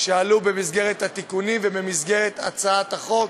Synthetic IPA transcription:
ʃealubemizɡe̞ʁet̪hat̪ikunimvebemizɡe̞ʁet̪a̰t͡saat̪haχo̞k

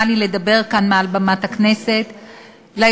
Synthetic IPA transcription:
alile̞d̪abe̞ʁkanmealbamatakne̞se̞t̪ | la

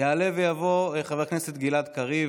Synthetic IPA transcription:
jaːle̞vejavo̞χave̞kneset̪ɡilad̪kaʁi

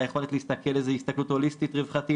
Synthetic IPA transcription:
jeχo̞let̪lehist̪akelezehist̪aklutholist̪it̪ʁevχat̪i

